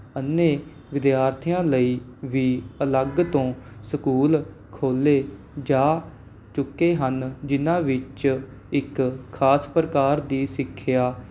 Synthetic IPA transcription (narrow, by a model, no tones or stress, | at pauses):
ənːeː | ʋɪd̪jaːɾt̪ʰɪjãːləiːʋiːələɡt̪õːsəkuːl | kʰoːleː | d͡ʒaː | t͡ʃʊkːeːɦənd͡ʒɪnãːʋɪt͡ʃ | ɪkʰːaːspɾəkaːɾd̪iːsɪkʰːjaː